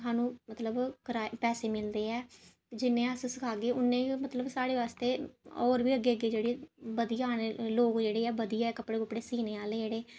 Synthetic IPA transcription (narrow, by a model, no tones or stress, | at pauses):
saːnũːmət̪ləbkəɾaːepɛːseːmɪld̪eːɛː | d͡ʒɪnːẽːəssɪkʰaːɡeːʊnːẽːmət̪ləbsaːɽeːʋaːst̪eːɔːɾʋiːəɡːeːəɡeːd͡ʒeːɽiːbəd̪iːaːneloːkd͡ʒeːɽeːɛːbəd̪iːɛːkəpɽeːkəpɽeːsiːneːaːleːd͡ʒeːɽeː